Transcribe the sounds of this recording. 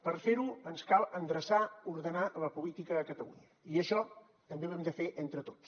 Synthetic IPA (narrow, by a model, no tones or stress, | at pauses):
pərfeɾuənskalˠənd̪ɾəsauɾðənaləpulit̪ikəðəkət̪əlṵɲə | iəʃɔ | t̪əmbewɛmd̪əfeʔent̪ɾət̪o̥ts